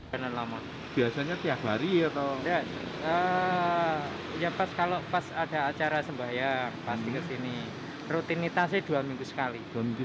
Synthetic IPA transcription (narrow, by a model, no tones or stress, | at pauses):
anarlama | b̥iasaɲat̪iak̚baɾiat̪onda | ə | japaskaloʔpasad̥a̤at͡ʃaɾasəmbaɦjaŋpast̪ikəsini | rut̪init̪as̬ed̥ualmiŋɡusə̥kalid̥amiŋɡu